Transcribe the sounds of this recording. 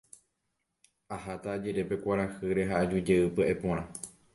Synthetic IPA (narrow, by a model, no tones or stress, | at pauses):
ahat̪aːd͡ʒeɾe̞pe̞kʷaɾahɨɾe̞ɦaːd͡ʒud͡ʒe̞ɨpɨaʔepõɾ̃ã